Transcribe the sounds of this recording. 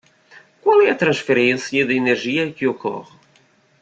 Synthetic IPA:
kwalˠɛɐt̪ɾɐ̃ʃfeɾẽsjɐd̪ɪeneɾʒiɐkɪokɔ̰ʁɪ

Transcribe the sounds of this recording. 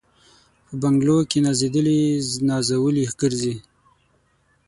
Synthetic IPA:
pəbaŋɡlokenazid̪əlinɑzawəlixɡəɾzi

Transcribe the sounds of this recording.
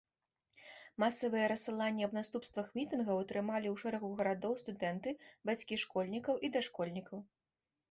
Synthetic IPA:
masɐvɨjɛɾɐsɨlˠanʲːɐbnast̪upst̪vɐxmʲit̪ɨnɣɐwɐt̪ɾɨmalʲiwʂɛɾɐɣuɣɐɾad̪ɔwst̪ud̪ɛnt̪ɨbat͡sʲkʲiʂkɔlʲnʲikɐwʔid̪ɐʂkɔlʲnʲikɐw

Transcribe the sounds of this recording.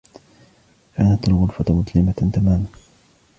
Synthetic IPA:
kaːnat̪alɣʊlfat̪mʊd̪lɪmat̪amaːma

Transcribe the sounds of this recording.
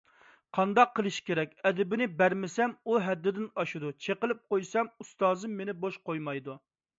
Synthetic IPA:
qʰɑnd̪ɑqʰːəlˠɨʃkʲeɾɛkʲɛd̪ɪbɪnɪbæɾmɪsɛmuɦɛd̪ːɪd̪ɪnɑʃud̪ut͡ʃʰeqəlˠɪp̚qojsɛmust̪ɑːzɨmːenɪboʃqojmɑjd̪u

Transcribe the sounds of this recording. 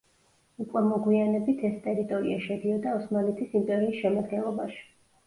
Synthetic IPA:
ukʼwɛmɔɡwianɛbit̪ʰɛst̪ʼɛɾit̪ʼɔɾḭaʃɛd̪iɔd̪aɔsmalɛt̪ʰisimpʼɛɾiːsʃɛmad̪ɡɛnlˠɔbaʃi̥

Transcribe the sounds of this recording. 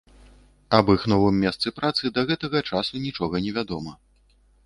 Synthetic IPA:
ɐbɨxn̪ɔvɨmʲːɛst̪sɨpɾat̪sɨd̪ɐɣɛt̪ɐɣɐt͡ʂasunʲit͡ʂɔɣɐnʲɛvʲad̪ɔmɐ

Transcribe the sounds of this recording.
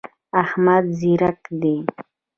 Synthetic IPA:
ahmad̪ziɾakd̪e

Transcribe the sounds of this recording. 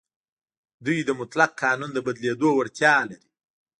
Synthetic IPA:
d̪ujd̪əmʊt̪laq̚qːɑnund̪əbad̪led̪owaɽt̪jɑlaɾi̥

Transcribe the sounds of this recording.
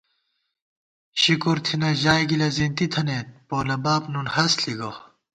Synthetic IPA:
ɕikuɾt̪ʰinɐʑaːjɡilɐzint̪it̪ʰɐneːt̪̚poːlɐbaːpnunhɐsliɡo

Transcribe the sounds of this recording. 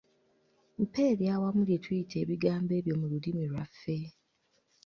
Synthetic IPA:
m̩pʰeɾjawamuletʰuitʰeβiɡaːmbeβjomuludimiɾafe

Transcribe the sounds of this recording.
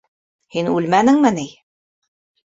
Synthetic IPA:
hinʉlmænɘ̆ŋmɘnij

